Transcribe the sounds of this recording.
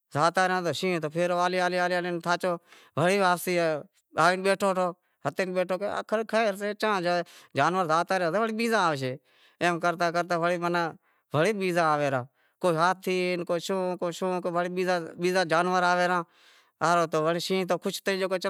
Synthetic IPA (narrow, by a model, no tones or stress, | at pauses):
zaːt̪aːɾjãːt̪̬oːʃĩːt̪oːpʰeːɾoːaːliːaːliːaːliːaːliːnt̪ʰaːt͡ʃoː | ʋəɽiːʋaːpsiː | aːʋiːnɓeːʈʰoːʈʰoː | ɦət̪eːnɓeːʈʰoːkeə̰kʰəɾkʰəɾseːt͡ʃãːd͡ʒaːd͡ʒaːnʋəɾzaːt̪aːɾjãːseʋəɽiːɓiːzãːaːʋʃ̬eː | eːmkəɾt̪aːk̬əɾt̪aːʋəɽiːmənaː | bəɽiːɓiːzãːaːʋeːɾãː | koːiːɦaːt̪ʰːiːnkoːʃõːkoːʃõːkʋəɽiːɓiːzãːɓiːzãːd͡ʒaːnʋəɾaːʋeːɾãː | aːɾoːt̪oːʋəɽiːʃĩːt̪̬oːkʰʊt͡ʃt̪əɾiːd͡ʒoːkot͡ʃ